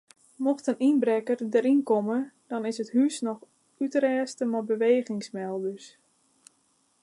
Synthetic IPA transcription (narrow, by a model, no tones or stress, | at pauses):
mɔxtənʔinbrɛkərdəɾinkɔmədɔnɪsəthyːsnɔx | ytrɛːstəmɔbəʋeːɣɪŋsmɛlˠdøs